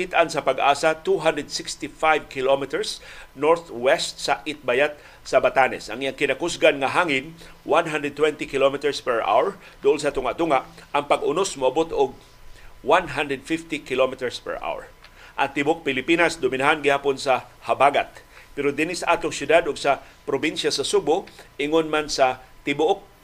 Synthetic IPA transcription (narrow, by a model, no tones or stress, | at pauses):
kit̪ʔansɐpaɡʔa̰ːsat̪uɦand̪ɹəd̪sɪkst̪ifajvkɪlomɪt̪ɛɹsnoɹθwɛst̪̚saʔɪt̪̚bajat̪̚ | sabat̪anɛ̰sʔɐŋʔijaŋkɪnakʊsɡanŋaɦaŋɪn | wanɦand̪ɹɛd̪̚t̪wɛnt̪ikɪlomɪt̪ɛɹspɛɹʔa̰wɛɹ | d̪ʊʔonsat̪ʊŋaʔt̪ʊŋaʔʔɐŋpaɡʊnosmʊabot̪ʊɡ̚ | wanɦand̪ɾɛd̪̚fɪft̪ikɪlomɪt̪ɛɹspɛ̰ɹʔa̰wɛ̰ɹ | ʔɐ̰ŋt̪ɪbʊʔok̚pɪlɪpinasd̪ʊmɪnaɦanɡɪhaːponsahabaɡa̰t̪̚pɛɾod̪ɪnisaʔaːt̪oŋsjʊd̪ad̪ʊɡsa | pɾobinʃjasasubʊʔɪŋonmansat̪ɪbʊʔʊk̚